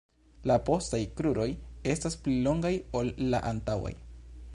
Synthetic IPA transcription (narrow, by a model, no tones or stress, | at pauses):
lapo̞stajkɾuɾo̞je̞stasplilo̞ŋɡajo̞lːa̰ʔantawa̰j